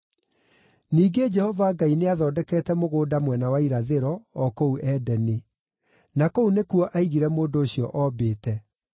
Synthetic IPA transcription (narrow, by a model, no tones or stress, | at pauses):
niːɡed͡ʒɛhɔvaɡaineaðɔːdɛkɛːtɛmoɣoːdamwɛnawaiɾaðeɾɔːkouʔɛːdɛne | nakounekuɔʔaiɣiɾɛmoːndoːɕiɔʔɔːbeːtɛ